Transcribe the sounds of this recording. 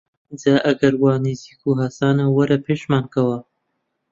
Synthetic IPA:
d͡zaːʔɐɡɐɾwaːniziːkuɦasaːnawɐɾɐpʰeːʃmaːnkɐwɐ

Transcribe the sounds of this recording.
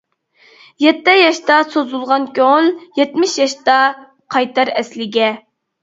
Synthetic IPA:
jɛt̪ːɛjɑʃt̪ɑsozulˠʁɑnkʲoŋljɛt̪mɪʃjɑʃt̪ɑ | qʰɑjt̪ɑɾɛslɪɡʲɛ

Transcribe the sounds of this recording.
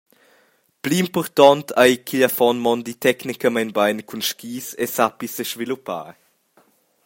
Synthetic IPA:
pliːmpɔɾt̪ɔnt̪ʰajkʰiʎafɔnmɔnd̪it̪ʰɛknikəmanbajnkʰunʃkiːsḛsapisəʃvilupa̰ːɾ

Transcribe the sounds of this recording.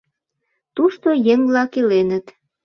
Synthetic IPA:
t̪uʃt̪ojeŋlɑkilenət̪

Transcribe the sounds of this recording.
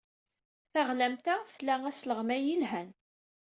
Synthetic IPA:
θaʁlæmt̪aθlææsləʁmæjilɦæn

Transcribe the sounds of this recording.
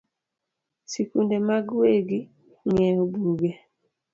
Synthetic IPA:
sikundemaɡweɡi | ɲɛobuɡe

